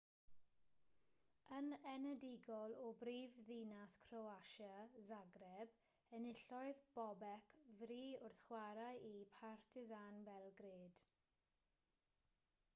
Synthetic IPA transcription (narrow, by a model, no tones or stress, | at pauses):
ənɛnɛdɪɡɔlˠɔbriːvðinaskʰrɔwaʃazaɡrɛb | ənɪɬɔɨðb̥ɔbɛkʰvriːʊrθχwaɾajʔipʰartʰɪzanvɛlˠɡɾeːd̥